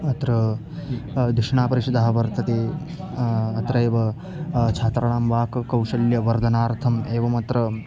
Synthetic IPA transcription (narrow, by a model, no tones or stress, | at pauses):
ɐt̪ɾɐ | d̪iʂɳaːpɐɾiʃɐd̪aːɦɐʋɐɾt̪ɐt̪eː | ɐt̪ɾɐeːʋɐ | t͡ʃʰaːt̪ɾɐɳaːmʋaːkɐkɐwʃɐljɐʋɐɾd̪ʱɐnaːɾt̪ʰɐmeːʋɐmɐt̪ɾɐ